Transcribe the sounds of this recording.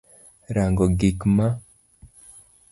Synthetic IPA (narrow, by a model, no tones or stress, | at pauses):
ɾaŋɡɔɡikma